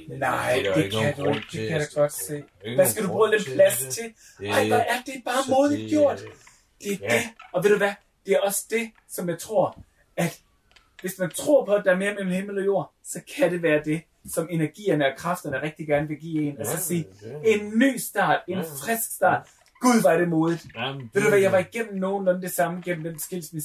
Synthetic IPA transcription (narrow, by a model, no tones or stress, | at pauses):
nɑɪ̰d̥e̝kʰæd̥ud̥e̝kʰæjaɡ̥ɒ̽d̥se̝̰ːʋæsɡ̥æɾubʁṵːd̥enpʰlæst͡sʰe̝l | ɑɪ̰ʋæʔæd̥e̝æb̥ɑ̈ːmoːðˠid̥ˠɡ̥jo̝ɐ̰d̥ | d̥e̝æɐd̥e̝ɒ̽ʋe̝ð̰ˠd̥uʋæ | d̥e̝æɐɒ̽sə̥d̥e̝ | sɒ̽mjɑ̈ɪt͡sʰʁo̝ɐ̰ | æd̥ | ʋe̝smænt͡sʰʁo̝̰ɐ̰pʰɒ̽æd̥ɑ̈æɐme̝ːɐmel̰m̩heml̩ɒ̽jo̝ɐ̰ | sɒ̽kʰæɾ̥e̝ʋæːɐd̥e̝ | sɒ̽me̝næɐɡ̥ḭːɐnəɒkʰʁɑ̈fd̥ɐnəʁɛɡ̥̚d̥iɡ̥æɐnəʋe̝ɡ̥ḭːe̝nɒsɒ̽siːe̝nːy̰ːsd̥ɑ̰̈ːd̥e̝nfʁɛsɡ̥sd̥ɑ̰̈ːd̥ | ɡ̥uðˠʋɑ̈ɾ̥e̝mo̝ːðˠið̩ˠʋed̥uʋæjɑ̈ɪʋɑ̈iɡ̥en̰m̩no̝ːn̩ɒnd̥e̝sɑ̈məɡ̥en̰m̩d̥ensɡ̥el̰smes